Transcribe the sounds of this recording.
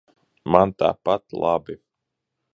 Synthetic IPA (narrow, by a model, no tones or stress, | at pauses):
mant̪a̰ːpat̪lˠabi